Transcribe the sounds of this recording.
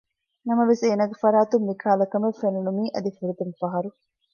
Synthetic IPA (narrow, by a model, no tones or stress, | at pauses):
nɐmɐʋiseːnɐɡɐfɐɾaːt̪umːikʰaːlɐkɐmefenunumiːʔɐd̪ifiɾut̪umfɐɦɐɾu